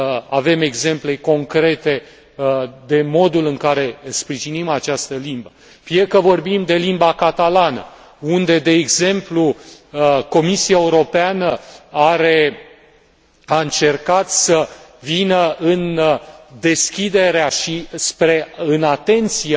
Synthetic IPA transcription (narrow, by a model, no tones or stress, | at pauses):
a̰ve̞me̞ɡze̞mple̞ko̞ŋkɾe̞t̪e̞ | d̪e̞mo̞d̪ulɨŋkaɾe̞spɾiʒinimat͡ʃast̪əlimbə | fiekəvo̞rbimd̪e̞limbakat̪alanə̰ | und̪e̞d̪e̞ːɡze̞mplu | ko̞misiaeuɾo̞peanəaɾe̞ | aɨnt͡ʃe̞rkat̪səvinəɨnd̪e̞skʲid̪e̞ɾeaʃispɾe̞ɨnat̪e̞nt̪sia